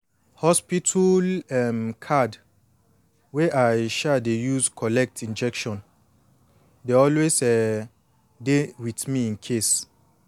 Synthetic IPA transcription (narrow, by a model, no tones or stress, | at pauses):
hɔspitʰulɛmkʰad | weʔajʃɛdejuskʰɔlɛk̚tʰĩnd͡ʒɛkʃɔ̃n | deɔlwesɛ | dewitmiĩnkʰes